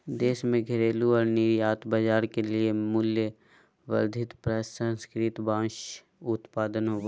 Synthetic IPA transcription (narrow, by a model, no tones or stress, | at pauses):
d̪eːʃmẽɡʱɪɾeːluɔːɾnɪɾjaːt̪bad͡ʒaːɾkeliemʊljə | ʋɐ̰ɾd̪ʱɪt̪pɾɛːsə̃nskɾɪt̪bãːʃ | ʊt̪paːd̪ənɦoːɡa